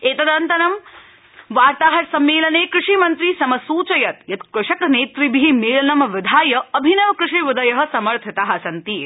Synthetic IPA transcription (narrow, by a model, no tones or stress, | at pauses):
eːt̪ɐd̪ɐnt̪ɐnɐm | ʋaːɾt̪aːɦɐɾsɐmːeːlɐneːkɾɪʂimɐnt̪ɾisɐmɐsuːt͡ʃɐjɐt̪jɐt̪kɐʂɐkneːt̪ɾibiɦimeːlɐnɐmʋɪd̪ʱaːjɐɐbʱinɐʋɐkɾɪʂiʋɪd̪ɐjɐɦɐ̆sɐmɐɾt̪ʰɐt̪aːɦɐsɐnt̪iː